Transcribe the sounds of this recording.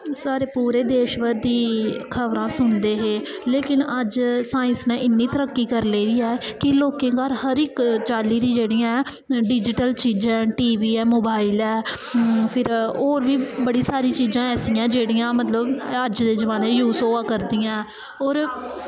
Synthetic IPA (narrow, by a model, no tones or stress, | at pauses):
saːɾeːpuːɾeːd̪eːʃʋəɾd̪iːkʰəʋɾãːsʊnd̪eːɦeːleːkɪnəd͡ʒsaːɪ̃nsnɛ̃ːʔɪnːiːt̪əɾəkːiːkəɾleːdiːɛːkɪloːkẽːɡaːɾhəɾɪkt͡ʃaːliːd̪ĩːd͡ʒeːɽijãː | ɖɪd͡ʒɪʈəlt͡ʃiːd͡ʒãːʈiːʋiːɛːmoːbaːɪlɛː | pʰɪɾoːɾʋiːbəɽiːsaːɾĩːt͡ʃiːd͡ʒãːɛːsiːãːd͡ʒeːɽijãːmət̪ləbəd͡ʒd̪eːzəʋaːnẽːjuːsoːaːkəɾd̪iːãː | ɔːɾ